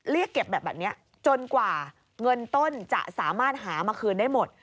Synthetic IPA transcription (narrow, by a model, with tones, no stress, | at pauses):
ɾi˥˩əkːe˨˩p̚bɛː˨˩p̚bɛː˨˩ni˦˥ɐ | t͡ɕo˧nkwaː˨˩ | ŋɤ˧nt̪o˥˩nt͡ɕa̰˨˩ʔsaː˩˦maː˥˩t̪̚ɦaː˩˦maː˧kʰɯː˧ndaː˥˩jmo˨˩t̪̚